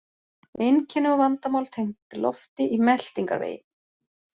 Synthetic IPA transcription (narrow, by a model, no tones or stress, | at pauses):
ɪncʰɛnːʏɣɔvant̪amawlt̪ʰejŋt̪ɪlɔ̰ft̪ɪʔimɛl̥t̪iŋka̰ɾvḛːjɪ̰